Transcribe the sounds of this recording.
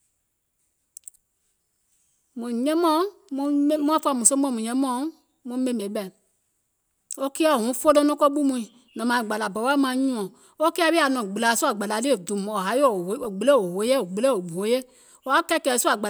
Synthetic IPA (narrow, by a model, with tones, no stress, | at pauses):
mũ˨ɲɛ̃˦mɔ̃˦ | mũ˧˦mũ˦ã˦fa˧˨mũ˨sõ˦m˦ɔ̃˨˦˨mũ˨ɲɛ̃˧˦mɔ̃˦ | mũ˧˦mẽ˦mẽ˨˦ɓɛ˨ | o˦ki˦a˦˨hũ˨˦fo˦lõ˧˦nɔ̃˦kɔ˦ɓu˦mũ˧ĩ˨ | nã˨mã˨i˨ɡ͡ba˨la˨bɔ˨˦wa˦mã˧˨˦ɲũ˦ɔ̃˨ | o˦ki˦a˧˦ɓi˦a˨nɔ̃˨ɡ͡bɨ˨laː˨˦˨su˦a˨ɡ͡ba˨la˨˦li˦e˨dũ˨m˨o˨ɦa˨˦jo˨o˨ɡ͡be˨le˦˨o˨wo˨˦je˦o˨ɡ͡be˨le˦˨o˨bu˨o˨˦je˦ | o˨˦a˨˦kɛ˦kɛː˨˦su˦a˨ɡ͡ba˨